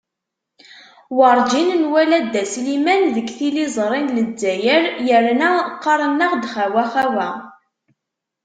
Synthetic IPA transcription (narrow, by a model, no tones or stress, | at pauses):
wɑɾˤd͡ʒinnwælæd̪ːæslimænðəɡθilizˤɾˤinləd͡zːæjəɾjəɾnæqːɑɾˤənːəʁd̪χæwæχæwæ